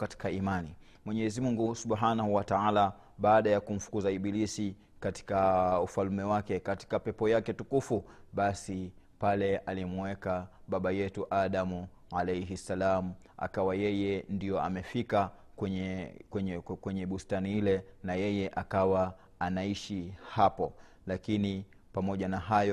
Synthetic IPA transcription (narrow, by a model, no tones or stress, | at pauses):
kati̥kaimani | mwɛɲɛɛzimuŋɡusuɓɦanahuwataala | ɓaːɗajakum̩fu̥kuzaiɓilisi | kati̥kaufalumɛwakɛkati̥kapɛpɔjakɛtukufuɓasi | palɛʔalimwɛkaɓaɓajɛtuʔaɗamu | ʕalɛjɦisːalamu | a̰kawajɛjɛndijɔa̰mɛfikakwɛɲɛkwɛɲɛkwɛɲɛɓustaniilɛnajɛjɛʔakawa | anaiʃihapɔ | lakini | pamɔʄanaɦajɔ